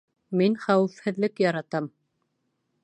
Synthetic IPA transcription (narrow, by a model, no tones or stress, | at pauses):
minχæwɘ̆fhɘ̆ðlɘkjɑɾɑt̪ɑm